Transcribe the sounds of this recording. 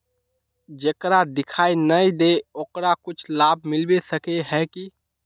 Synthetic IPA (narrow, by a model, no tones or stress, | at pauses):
d͡ʒekɾad̪ɪkʰaːinəid̪eoːkɾakʊt͡ʃʰlaːb̚ʱmɪlbesəkeɦɛki